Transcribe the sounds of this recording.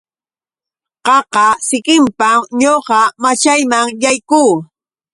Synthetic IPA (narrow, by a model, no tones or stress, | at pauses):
qɑqɑsɪkɪmpaɲoqɑmat͡ʃajmaŋjajkuː